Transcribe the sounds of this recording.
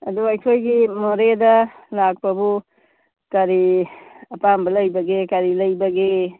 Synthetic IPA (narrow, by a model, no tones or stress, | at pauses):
ɐduɐjkʰojɡimoɾedɐlak̚pɐbu | kɐɾiɐpambɐlɐjbɐɡekɐɾilɐjbɐɡe